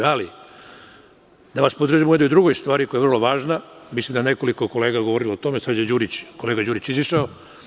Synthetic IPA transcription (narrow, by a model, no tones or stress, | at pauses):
ali | d̪aʋaspod̪ɾr̩ʒimujeojd̪ɾuɡojst̪ʋaːɾikojaer̩lˠo̞ʋaːʒnamislimd̪aene̞ko̞liko̞ko̞leːɡaɡoʋoɾiloot̪o̞mesad̪jed͡ʑuːɾit͡ɕkoleɡad͡ʑuːɾit͡ɕiziʃao